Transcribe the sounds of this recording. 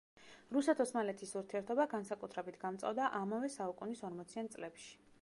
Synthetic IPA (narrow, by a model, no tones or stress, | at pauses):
ɾusɛt̪ʰɔsmalɛt̪ʰisuɾt̪ʰiɛɾt̪ʰɔbaɡansakʼut̪ʰɾɛbit̪ʰɡamt̪sʼa̰vd̪aʔamavɛsaukʼunisɔɾmɔt̪sʰiant̪sʼlɛpʃi̥